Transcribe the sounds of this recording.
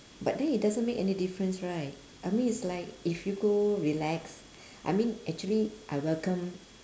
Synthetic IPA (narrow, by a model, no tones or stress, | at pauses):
bat̚dɛ̃nit̚dazə̃nmekɛnidifɹə̃nsɹaɪt̚ | ʔaɪmĩnitslaɪkifjuɡoɹilɛks | ʔa̰jmĩnʔɛk̚t͡ʃuəliʔaɪwɛlkə̃m